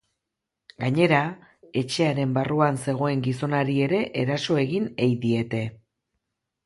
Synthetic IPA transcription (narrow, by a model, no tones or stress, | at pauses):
ɡaɲe̞ɾa | e̞t͡ʃe̞aɾe̞mbaruanse̞ɣ̞o̞e̞ŋɡiso̞naɾie̞ɾe̞ʔeɾaso̞e̞ɣinejðie̞t̪e̞